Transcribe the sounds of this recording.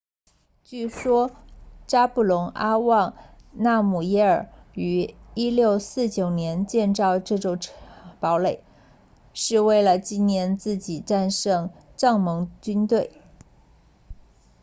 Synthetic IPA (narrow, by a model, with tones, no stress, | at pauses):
t͡ɕy˥˩ʂwɔ˥ʈ͡ʂa˥pu˥˩lʊ˧˥ŋʔa˥wɑ˥˧ŋna˥˩mu˨˩jɛ˧˥ə˞˨˩y˧˥i˥ljo˥˧ʊsɹ̩˥˩t͡ɕjo˨˩ʊnjɛ˧˥nt͡ɕjɛ˥˧nʈ͡ʂɑ˥˧ʊʈ͡ʂɤ˥˩ʈ͡ʂo˨˩ʈ͡ʂʰpɑ˧˥ʊle˨˩˦ | ʂɻ̩˥˧we˥˩ɪlə˩t͡ɕi˥nnjɛ˧˥nt͡sɹ̩˥˩t͡ɕi˨˩ʈ͡ʂa˥˧nʂɤ˥˧ŋ | ʈ͡ʂɑ˥˩ŋmɤ˧˥ŋt͡ɕy˥nt̪we˥˩ɪ